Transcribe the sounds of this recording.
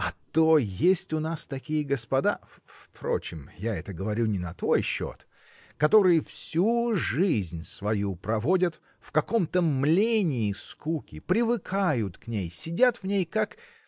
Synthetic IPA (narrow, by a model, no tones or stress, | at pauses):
ɐt̪ojesʲtʲʊnast̪ɐkʲijəɡəspɐd̪afpɾo̞̰t͡ɕɪmjaɛt̪əɡəvɐɾʲunʲɪnɐt̪vo̞jɕːo̰t̪ | kɐt̪o̞ɾɨjəfsʲuʐɨzʲnʲsvɐjupɾɐvo̞dʲət̪ | fkɐko̞mt̪əmlʲenʲɪːskukʲɪpɾʲɪvɨkʰajʊt̪knʲejsʲɪdʲat̪vnʲejkak